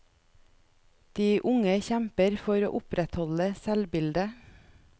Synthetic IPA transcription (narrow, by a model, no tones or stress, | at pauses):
d̪̥iːʔʊŋəçæmpəɾfɔɾo̰ːʔʊpɾɛt̪hɔləsɛlbɪld̪ə